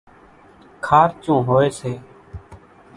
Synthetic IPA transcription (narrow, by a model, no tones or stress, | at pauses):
kʰaːɾt͡ʃũːɦoːeːseː